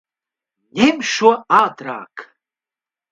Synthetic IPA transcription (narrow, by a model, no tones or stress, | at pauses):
nʲemʲʃoɑd̪ɾa̰k